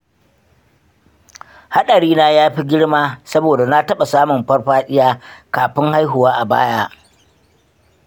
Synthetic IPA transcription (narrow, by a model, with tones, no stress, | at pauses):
ha˦ɗɐ˨ɽiː˦naː˦jaː˦ɸi˦ɡʲɪ˦ɽmaː˦sɐ˦boː˨da˨na˦tɐ˦ɓa˨saː˦mʊ˨mɸɐ˦rɸaː˦ɗɪ˦jaː˦kaː˨ɸɪ˦ŋha˦jɦʊ˨waː˦ʔa˨ba̰ː˦jaː˦ʔ